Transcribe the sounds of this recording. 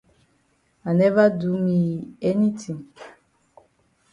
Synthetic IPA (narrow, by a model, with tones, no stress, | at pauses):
a˨nɛ˦va˦du˦mi˨ɛ˦ni˦tʰĩ˨ŋ